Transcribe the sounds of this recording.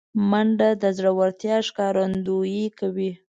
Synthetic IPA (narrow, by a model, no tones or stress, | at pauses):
maɳɖad̪əzɽawaɾt̪jɑʃkɑɾand̪ujikawi